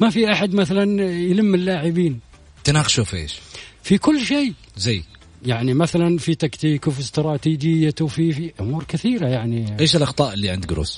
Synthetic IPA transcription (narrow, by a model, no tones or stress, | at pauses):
mafiʔaħad̪maθalanjləmːɪlːaːʕɪbiːn | t̪ɪnaqʃufḛːʃfikʊlːʃij | zaj | jaʕnimaθalanfit̪akt̪iːkwfist̪ɾˤɑːt̪iːd͡ʒɪjːawfifiʔʊmuːɾkɪθiːɾajaʕniʔeːʃɪlʔɑxt̪ˤɑːʔɪlːiʕɪ̰nd̪ɡɾṵːs